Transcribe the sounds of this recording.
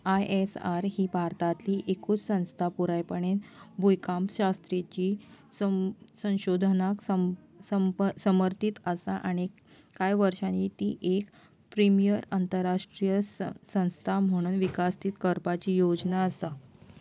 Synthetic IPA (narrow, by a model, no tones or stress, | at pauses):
ajesaɾɦiːbʱaɾt̪at̪liːʔekuːt͡ssə̃w̃st̪ʰapuɾajpəɳenbʱujkampɕast̪ɾet͡ɕiː | ssə̃w̃ɕod̪ʱənaksə | səmsəməɾt̪it̪əsaʔaɽ̃i | kajʋəɾʂãnit̪iːʔek | pɾimijəɾant̪əɾaʂʈɾijəssə̃w̃st̪ʰam̤əɽ̃uːnʋikast̪iːt̪kəɾpat͡ɕiːjod͡ʑnaəsa